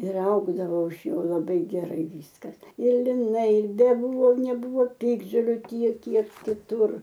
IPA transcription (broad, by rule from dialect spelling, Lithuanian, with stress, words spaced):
ɪr ˈɐʊɡdɐʋoː ɪʃ ˈjoː lˠɐˈbɐɪ ɡʲɛˈrɐɪ ˈʋʲiːskɐs ɪr lʲɪˈnɐɪ ɪr bʲɛˈbuːʋoː nʲɛˈbuːʋoː ˈpʲɪɡdʒoːlʲʊ ˈtʲiɛk ˈkʲiɛk kʲɪˈtʊr